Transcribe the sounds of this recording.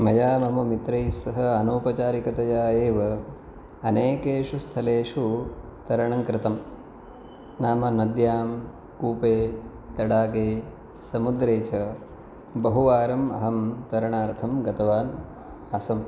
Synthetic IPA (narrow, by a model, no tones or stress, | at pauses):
mɐjaːmɐmɐmit̪ɾɐjsɐɦɐɐnoːpɐt͡ʃaːɾikɐt̪ɐjaːeːʋɐ | ɐneːkeːʂust̪ʰɐleːʂut̪ɐɾɐɳɐŋkɾɪt̪ɐm | naːmɐnɐd̪jaːm | kuːpeː | t̪ɐɽaːkeː | sɐmud̪ɾeːt͡ʃɐ | bɐɦuʋaːɾɐmɐɦɐmt̪ɐɾɐɳaːɾt̪ʰɐmɡɐt̪ɐʋaːn | aːsɐm